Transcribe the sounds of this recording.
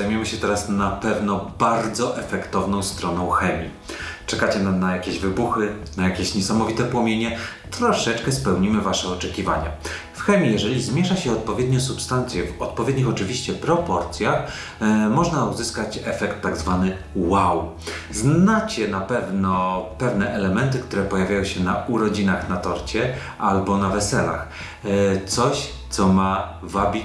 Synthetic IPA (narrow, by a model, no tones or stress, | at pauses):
zajmjɛmɘɕɛt̪ɛɾasnapɛvnɔbaɾd̪zɔʔɛfɛkt̪ɔvnɔ̃w̃st̪ɾɔnɔ̃w̃xɛmʲḭ | t͡ʂɛkat͡ɕɛnanajakʲeʑvɘbuxɘnajakʲeɕɲɛsamɔvʲit̪ɛpwɔmʲjeɲɛt̪ɾɔʂɛt͡ʂkɛspɛwɲimɘvaʂɛɔt͡ʂɛkʲiva̰ɲa̰ | fxɛmʲijɛʐɛlʲizmʲjɛʂaɕɛɔt̪̚pɔvʲjed̪̚ɲɔ̃supst̪ant̪sʲjɛvɔt̪̚pɔvʲjed̪ɲixɔt͡ʂɘvʲiɕt͡ɕɛpɾɔpɔɾt̪sʲjax | mɔʐnauzɘskat͡ɕɛfɛkt̪ːaɡzvanɘ | waw | znat͡ɕɛnapɛvnɔpɛvnɛʔɛlɛmɛnt̪ɘkt̪uɾɛpɔjavʲjajɔ̃w̃ɕɛnauɾɔd͡ʑinaxnat̪ɔɾt͡ɕɛ | ʔalbɔnavɛsɛla̰x | t̪sɔɕ | t̪sɔma | vabʲi